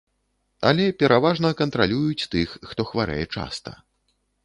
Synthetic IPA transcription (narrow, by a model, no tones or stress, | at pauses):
ɐ̰lʲɛpʲɛɾʔavaʐnɐkɐnt̪ɾalʲujut͡sʲt̪ɨxːt̪ɔxvaɾɛ̰jɛt͡ʂa̰st̪ɐ̰